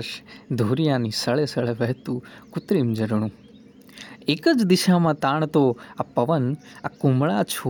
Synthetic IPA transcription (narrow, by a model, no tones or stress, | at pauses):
ʃd̪ʱoːɾijanisəɭesəɭeʋɛɦt̪ũkʊt̪ɾimd͡ʒəɾɽ̃ũ | ekəd͡ʒd̪iʃamãt̪aːɳ̃t̪oapəʋənakumɭat͡ʃʰo